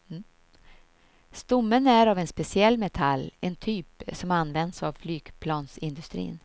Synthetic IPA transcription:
st̪ʊmːənæɾɑvɛnspɛsɪɛlːmɛt̪ʰalːɛnt̪ʰyːpsɔmanːvɛnd̪sa̰vflyːɡ̥pʰlɑːnsɪnd̪ɵst̪ɾḭːn

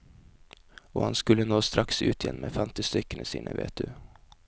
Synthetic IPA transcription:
oːhɑnskʉlənoːst̪ɾʔɑksʉːt̪ʰɪjɛnmeːfɛmt̪ɪst̪ʏkənəsḭːnʔəʋḛːt̪̚d̪ʉː

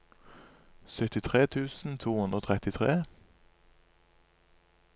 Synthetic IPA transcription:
sœt̪ɪt̪ʰʁeːt̪ʰʉːsn̩t̪ʰuːhʉnʁoːt̪ʰʁɛt̪ɪt̪ʰʁeː

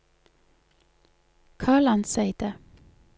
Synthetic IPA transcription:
kʰɑːɭɑnsæɪd̪̥ə

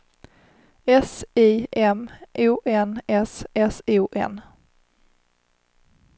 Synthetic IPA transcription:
ɛsiːʔɛmʔuːʔɛnɛsɛsuːʔɛ̰n

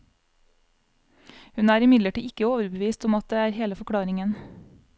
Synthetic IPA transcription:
hʉnæːɾɪmɪd̪ləʈḭːʔɪkəoːʋəɾbəʋiːst̪ʊmɑt̪̚d̪eːæːɾheːləfɔkʰɽɑːɾɪŋən

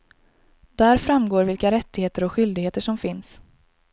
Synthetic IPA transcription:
d̪̥æːɾfɾamːɡoːɾvɪlkaɾɛt̪ːɪɡheːt̪əɾɔkɧʏld̪ɪɡheːt̪əʂɔmfɪns

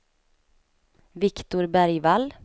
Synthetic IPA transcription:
vɪkt̪ʊɾbæɾjvalː

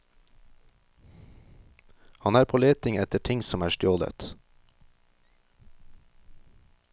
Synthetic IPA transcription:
hɑnæːɾpʰoːleːt̪ɪŋɛt̪əʈʰɪŋsɔmæːʃtjoːd̪ə̰t̪

